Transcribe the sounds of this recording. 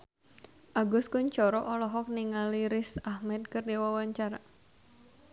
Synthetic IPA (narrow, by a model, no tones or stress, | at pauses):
ʔaɡʊskuɲt͡ʃɔɾɔʔɔlɔɦɔk̚niŋaliɾɪsahmɛt̪̚kɨrdiwawaɲt͡ʃaɾa